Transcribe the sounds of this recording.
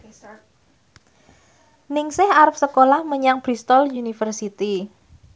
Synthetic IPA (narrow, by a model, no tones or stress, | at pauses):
nɪŋsɪhaɾəpsəkolahməɲaŋb̥ɾist̪ɔljunifərsit̪i